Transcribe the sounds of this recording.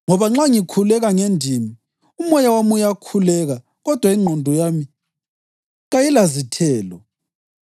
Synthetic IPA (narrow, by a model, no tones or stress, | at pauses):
ŋɔβaŋ͡ǁaŋikʰulɛɣaŋendʱimi | umɔjawamujakʰulɛɣa | ɣɔd̥ʱwaiŋ͡ǃʱɔndʱɔjami | ɣajilazitʰɛːlɔ